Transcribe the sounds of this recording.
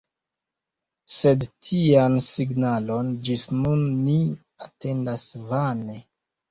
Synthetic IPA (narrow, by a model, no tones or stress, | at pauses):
se̞dtʰiansiɡnalo̞nd͡ʒisnunːi | ate̞ndasvane